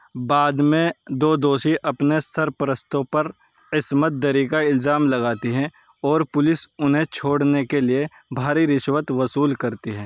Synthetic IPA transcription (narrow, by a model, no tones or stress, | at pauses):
baːd̪mẽd̪oːd̪oːʃiʔɐpnest̪ʰəɾpɾəst̪õpɐɾ | kɪsmət̪̚d̪əɾikaɪlzaːmlɐɡaːt̪iɦɛ̃ | ɔːɾpʊlɪsʊnɦẽt͡ʃʰoːɽnekelie | bʱaːɾiɾɪʃwət̪ʋɐsuːlkɐɾt̪iɦɛ̃ː